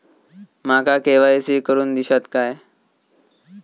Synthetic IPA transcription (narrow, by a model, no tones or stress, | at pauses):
makakeʋajsiːkəɾuːnd̪iɕat̪kaj